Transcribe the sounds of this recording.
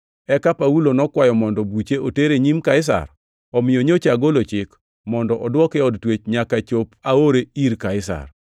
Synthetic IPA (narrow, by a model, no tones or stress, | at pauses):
ɛkapaulonɔkwajɔmɔndɔbut͡ʃeʔoteɾeɲimkaɪs̬a̰r | ɔmɪjoɲot͡ʃaɡolot͡ʃɪk | mɔndɔʔɔdwɔkɛɔdtwet͡ʃɲakat͡ʃopaoɾeiɾkaɪsa̰r